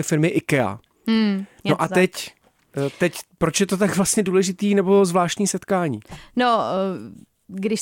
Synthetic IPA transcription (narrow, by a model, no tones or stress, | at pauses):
ɛfɪɾmɪʔɪkɛa̰ | noʔat̪ɛc | t̪ɛcpɾot͡ʃjɛt̪o̞t̪̬aɡvlast̪ɲɛduːlɛʒɪt̪iːnɛbozvlaːʃt̪ɲiːsɛt̪kaːɲḭːno | ɡdɪʃ